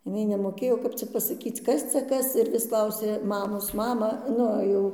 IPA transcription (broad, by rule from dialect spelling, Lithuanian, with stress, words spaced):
jɪˈnɐɪ nʲɛmoːˈkʲeːjoː kɐp ˈt͡sʲɛ pɐsɐˈkʲiːt͡s ˈkɐs t͡sʲɛ ˈkɐs ɪr ʋʲɪs ˈklˠɐʊsʲeː ˈmɑːmoːs ˈmɑːmɑː ˈnʊ jɛʊ